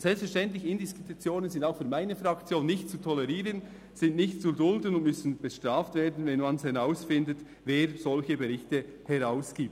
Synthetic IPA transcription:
z̥ɛlpsfɛɐɾʃtɛntlɪçəɪndɪskutut͡sjoːnənzɪndaʊxfyːɐmaɪnəfʁɑkt͡sjoːnːɪçtt͡sutʰɔlɛʁiːʁən | sɪntnɪçtt͡sudʊldən̩ʊntmʏsn̩b̥əʃtʁaːftveːdn̩vɛnmanshɛʁaʊsfɪndət | veːɾzɔlçəbeɾɪçtəhɛʁaʊsɡ̥iːp̚t

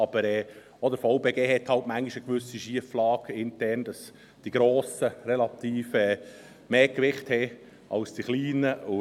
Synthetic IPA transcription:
ɑb̥əɾɛː | ɔd̥əɾfɑʊbeːɡeːɦɛthɑltmæŋɡiʃəkʋʏsiʃiəflɑːɡ̥ɪntɛrnd̥ɑs | d̥iɡ̥ɾoːsəɾɛlɑt̪iːfɛː | meːkʋɪχthɛ | ʔɑlsd̥iχliːnəʊ

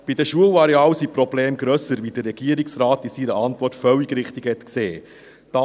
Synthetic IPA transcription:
b̥id̪əʃuəwɑɾeɑːwsipɾɔbleːmɡɾœsəɾvid̥̪ərːɛɡ̥iəɾiksɾɑːt̪ɪsiɾəʔɑnt̪ʋɔrtfœwiɡɾɪχt̪ikhɛt̪kseː | d̥ɑ

